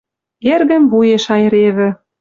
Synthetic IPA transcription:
erɣə̆mβujeʃɑj̆ɾeβɘ̆

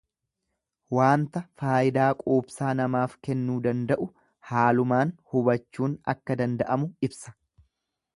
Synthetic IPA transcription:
waːnt̪ɐfaːjɪd̪aːkʼoːpsaːnɐmaːfkɛnːuːd̪ɐnd̪ɐʔʊ | haːlʊmaːnhʊbɐt͡ʃːuːnɐ̰kːɐd̪ɐnd̪ɐʔɐmʊɪbsɐ̥

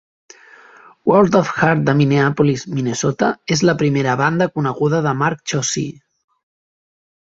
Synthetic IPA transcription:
wolt̪ofxaɾt̪̚d̪əmineapulizminesot̪aezləpɾimeɾəβand̪əkunəɣuðəðəmaɾk̚t͡ʃosḭ

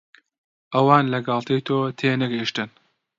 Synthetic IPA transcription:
ʔɐwɑːnlɐɡɑːlˠt̪ʰejt̪ʰoːt̪ʰeːnɐɡeʃt̪ɨn

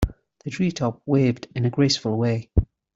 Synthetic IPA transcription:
ðədɹiːˑtʰɒp̚weɪvdɪ̃nəɡɹeɪsfəlˠweɪ

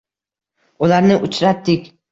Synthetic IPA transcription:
ʊlaɾnɪʔʊt͡ʃɾat̪ːɪkʲ

